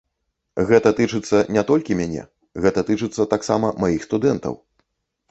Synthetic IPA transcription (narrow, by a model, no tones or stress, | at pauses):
ɣɛt̪ɐt̪ɨt͡ʂɨt̪sːɐnʲɛt̪ɔlʲkʲimʲanʲɛ̰ | ɣɛt̪ɐt̪ɨt͡ʂɨt̪sːɐt̪aksamɐmajixst̪ud̪ɛnt̪ɐ̰w